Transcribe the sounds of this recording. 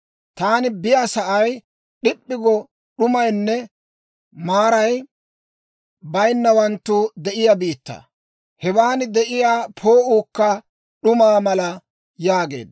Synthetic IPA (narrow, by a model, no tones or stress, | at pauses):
t̪aːnɪbɪjaːsɐʔɐj | ɗɪpʼːɪɡɔ | ɗʊmɐjnːɛ | maːɾɐj | bɐjnːɐwɐnt̪ːʊd̪ɛʔɪjɐbiːt̪ːɐ̰ | hɛbaːnɪd̪ɛʔɪjaːpʰo̞ːʔuːkːɐ | ɗʊmaːmɐlɐ | jaːɡe̞̰ːd̪